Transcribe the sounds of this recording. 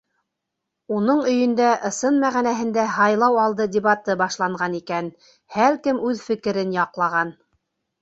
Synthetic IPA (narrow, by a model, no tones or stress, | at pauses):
unɤɴɵ̆jɵ̆nd̪æʔɤ̆sɤnmæʁænæɦɘ̆nd̪æhɑjlˠɑwɑlˠd̪ɤdʲɪβat̪ɤbɑʃlˠɑɴɢɑnikæn | hælkɘmʉðfɘ̆kɘ̆ɾɘnjɑqlˠɑʁɑn